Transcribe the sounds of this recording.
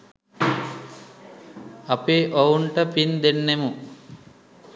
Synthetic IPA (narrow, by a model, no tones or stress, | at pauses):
ɐpeʔɐwuɳʈɐpind̪enːemu